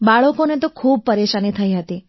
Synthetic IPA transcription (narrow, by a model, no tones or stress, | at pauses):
baɭəkonet̪okʰub̚pəɾeʃanit̪ʰəjɦət̪i